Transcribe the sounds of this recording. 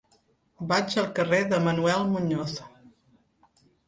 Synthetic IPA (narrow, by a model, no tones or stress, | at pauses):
bad͡ʒəlˠkəreðəmənuɛlˠmuɲoθ